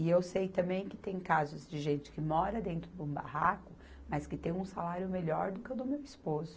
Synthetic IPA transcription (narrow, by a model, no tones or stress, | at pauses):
ɪewsejt̪ɐ̃mbẽj̃kɪ̥t̪ẽj̃kazʊzd͡ʒɪʒẽnt͡ʃɪ̥kɪmɔɾɐd̪ẽnt̪ɾʊd̪ũba̰hakʊ | mɐskɪt̪ẽj̃ũsalaɾjʊmeʎɔɾd̪ʊkɪed̪ʊmewispozʊ